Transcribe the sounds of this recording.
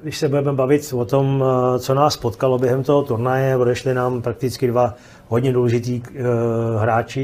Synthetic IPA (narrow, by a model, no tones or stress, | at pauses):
ɡdɪʃsɛbudɛmɛbavɪt̪vot̪omt͡so̞naːspot̪kalo̞bjɛɦɛmt̪oɦot̪uɾnajɛodɛʃlɪnaːmpɾak̚t̪ɪt͡skɪdva | ɦod̪ɲɛduːlɛʒɪt̪iː | ɦɾaːt͡ʃɪ